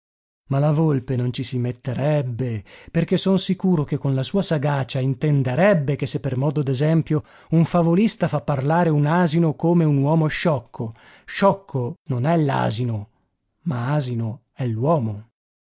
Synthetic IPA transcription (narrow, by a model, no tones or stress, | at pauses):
malavolpenont͡ʃisimet̪ːeɾɛbːeperk̟esonsikuːɾokekːonlasuːasaɡaːt͡ʃaint̪end̪eɾɛbːekesːepːermɔːd̪od̪ezɛmpjo | uɱfavolist̪afapːarlaːɾeunaːzinokoːmeunwɔːmoʃɔkʰːo | ʃɔkːononɛlːa̰ːzino | maaːzino | ɛlːwɔːmo